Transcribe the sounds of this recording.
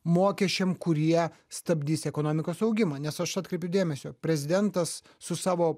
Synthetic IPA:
moːkʲɛʃʲt͡ʃʲɛmkʊɾʲiɛ | st̪ɐbʲd̪ʲiːsɛkoːnoːmʲɪkoːsɐʊɡʲɪmɑnʲɛsɐʃɑt̪kɾʲɛɪpʲjɛʊd̪ʲeːmʲɛsʲoːpʲɾʲɛzʲɪd̪ʲɛnt̪ɐsː | ʊsɑːʋoː

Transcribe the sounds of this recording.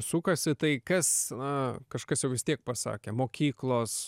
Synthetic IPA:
sukɐsʲɪt̪ɐɪkɐsnɐkɐʃkɐsjɛʊʋʲɪst̪ʲiɛk̚pɐsɑ̰ːkʲeːmoːkʲiːklˠoːs

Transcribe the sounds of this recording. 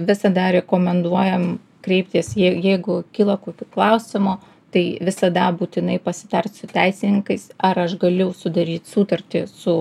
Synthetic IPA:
ʋʲɪsɐd̪ɐɾʲɛkoːmʲɛnd̪uɔjɛm | kɾʲɛɪp̚ʲt̪ʲiɛsjɛɪjɛɪɡʊkʲiːlˠɐkoːkʲuːklˠɐʊsʲɪmo | t̪ɐɪʋʲɪsɐd̪ɐbuːt̪ʲɪnɐɪpɐsʲɪt̪ɐrʲt̪ʲsʊt̪ʲæɪsʲɪnʲɪŋkɐɪsɐɾɐʃɡɐlʲʊsʊd̪ɐɾʲiːt̪ʲsuːt̪ɐrʲt̪ʲɪsʊ

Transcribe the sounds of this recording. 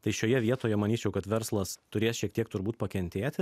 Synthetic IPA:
t̪ɐɪʃʲoːjɛʋʲiɛt̪oːjɛmɐnʲiːt͡ʃʲɛʊkɐt̪ʋʲɛɾslˠɐst̪ʊɾʲeːsʃʲiɛk̚t̪iɛk̚t̪ʊɾbuːt̪̚pɐkʲɛnʲt̪ʲeːt̪ʲɪ

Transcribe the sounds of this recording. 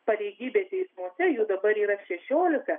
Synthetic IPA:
pɐlʲɛɪɡʲiːbʲeːt̪ʲɛɪsmuɔsʲɛjud̪ɐbɐɾiːɾɐʃʲɛʃʲoːlʲɪkɐ

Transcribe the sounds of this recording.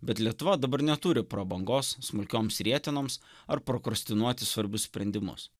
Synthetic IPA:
bʲɛt̪lʲiɛt̪ʊʋɐd̪ɐbɐɾnʲɛt̪uːɾʲɪpɾoːbɐŋɡoːsːmʊlʲkʲoːmsɾʲiɛt̪ʲɪnoːms | ɐɾpɾokɾɔsʲt̪ʲɪnuɔt̪ʲɪsʋɐɾʲbʲʊssʲpʲɾʲɛnʲd̪ʲɪmʊ̰s

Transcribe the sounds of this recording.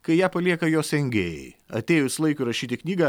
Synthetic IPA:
kɐɪjæːpɐlʲiɛkɐjoːsɛŋʲɡʲeːjɛ̰ɪɐ̰t̪ʲeːjʊslˠɐɪkʊɪɾɐʃʲiːt̪ʲɪknʲiːɡɐ

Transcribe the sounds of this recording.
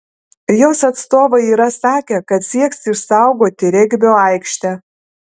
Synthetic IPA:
joːsɐt̪st̪oːʋɐɪiːɾɐsɑːkʲɛkɐt̪sʲiɛksʲɪʃsɑˑʊɡoːt̪ʲɪɾʲɛɡʲbʲoːɐɪkʃʲt̪ʲæ

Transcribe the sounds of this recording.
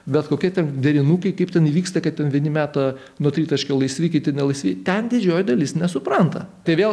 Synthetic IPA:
bʲɛt̪koːkʲiɛt̪ʲɛnd̪ʲɛɾʲɪnuːkɐɪkɐɪpt̪ʲɛniːʋʲiːkst̪ɐkɐttʲɛnʋʲiɛnʲɪmʲæːt̪ɐ | nuɔt̪ʲɾʲiːt̪ɐʃʲkʲɛlˠɐɪsʲʋʲiːkɐɪt̪ʲɪnʲɛlˠɐɪsʲʋʲɪːt̪ʲɛnd̪ʲɪd͡ʒʲoːjd̪ɐlʲɪsnʲɛsʊpɾɐnt̪ɐt̪ɐɪʋʲeːlˠ

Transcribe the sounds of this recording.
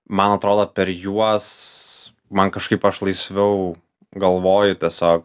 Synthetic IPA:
mɐnɐt̪ɾoːd̪oːpʲɛɾjuɔs | mɐnkɐʃkɐɪpɐʃlˠɐɪsʲʋʲɛʊ | ɡɐlˠʋoːjʊt̪ʲiɛsʲoːk̚

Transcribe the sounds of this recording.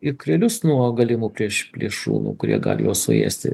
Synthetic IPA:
ɪkɾʲɛlʲʊsnuɔɡɐlʲɪmuːpʲɾʲiɛʃpʲlʲiɛʃṵːnṵːkʊɾʲiɛɡɑ̰ːlʲjoːssʊ̰jḛːsʲt̪ʲɪ̰

